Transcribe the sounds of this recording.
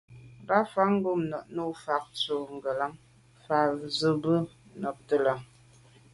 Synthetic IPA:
ŋ˨ɡa˦fa˦ŋ̩˦ɡo˦mnɔ˨ʔnu˦˨fa˨k̚t͡so˨ŋ˨ɡə˨la˦ŋ | fa˨zə˨bə˦nɔ˨p̚tə˦la˨ŋ

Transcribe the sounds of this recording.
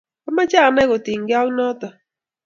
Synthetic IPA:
a˦ma˦t͡ʃa˦˨nɛ˦ɣo˨tɪ˨ŋɡɪ˦ɔ˦knɔ˦tɔ˨

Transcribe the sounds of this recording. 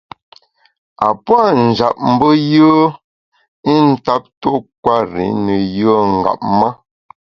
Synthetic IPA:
a˨pwa˦˨n̩˨d͡ʒa̰˨p̚m̩˦bə˦jəː˦ | i˦n̩˦ta˦p̚to˦k̚wa˦˨ɾḭ˨˦nə˨jə˦ŋ̩˨ɡa̰˨p̚ma˦

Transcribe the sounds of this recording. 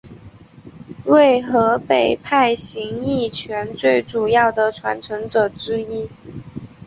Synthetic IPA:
we˥˩ɪxɤ˧˥pe˨˩ɪpʰa˥˩ɪɕi˧˥ŋi˥˩t͡ɕʰɥɛ˧˥nt͡swe˥˩ɪʈ͡ʂu˨˩jɑ˥˩ʊd̪ə˩ʈ͡ʂʰwa̰˧˥nʈ͡ʂʰɤ˧˥ŋʈ͡ʂɤ˨˩ʈ͡ʂɻ̩˥i˥

